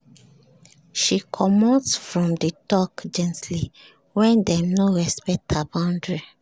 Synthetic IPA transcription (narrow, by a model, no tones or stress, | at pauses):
ʃikʰɔmɔtsfɹɔ̃mditɔkd͡ʒɛ̃ntli | wɛ̃ndɛ̃mnoɹɛspɛk̚tʰhabãndɹi